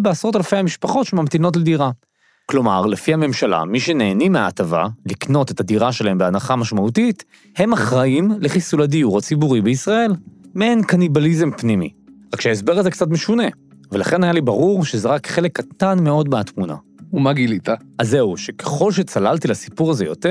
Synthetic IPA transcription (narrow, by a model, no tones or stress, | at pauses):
beasʁo̞talfe̞jhamiʃpaχo̞tʃemamtino̞t̬lediʁa | klo̞maʁlefihame̞mʃala̰miʃe̞neːnimea̰ːtava̰likno̞te̞tadiʁaʃelahe̞mbeanaχamaʃmautit | he̞maχʁaimleχisuladiuʁat͡sibuʁibeisʁae̞lmeenkanibalizempnimḭʁakʃeaes̬be̞ʁazekt͡sat̬meʃune̞velaχe̞najalibaʁuʁʃe̞ze̞ʁakχe̞le̞kːat̪anmeo̞dbeatmuna̰ | umaɡilit̪aaze̞uʃe̞keχo̞lʃ̬e̞t͡salaltilasi̥puʁaze̞jo̞̰teʁ